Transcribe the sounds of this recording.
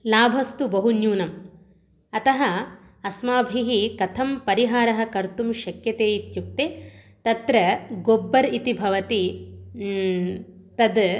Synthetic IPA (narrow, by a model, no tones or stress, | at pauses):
laːbʱɐst̪ubɐɦunjuːnɐm | ɐt̪ɐɦɐ | ɐsmaːbʱiɦikɐt̪ʰɐmpɐɾiɦaːɾɐɦɐ̆kɐɾt̪umʃɐkjɐt̪eːjit̪juk̚t̪eː | t̪ɐt̪ɾɐɡobːɐɾit̪ibʱɐʋɐt̪i | t̪ɐd̪